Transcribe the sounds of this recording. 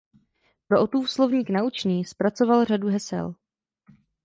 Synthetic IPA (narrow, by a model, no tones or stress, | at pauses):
pɾoʔot̪uːfslovɲiːknaut͡ʃniːspɾat͡so̞valr̝aduɦɛsɛ̰l